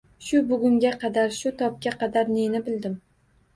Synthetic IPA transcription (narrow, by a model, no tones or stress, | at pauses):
ʃʊbʊɡʊŋɡʲaqʰɑd̪aɾʃʊt̪ʰɒp̚kʲaqʰɑd̪aɾnenɪbɪld̪ɪm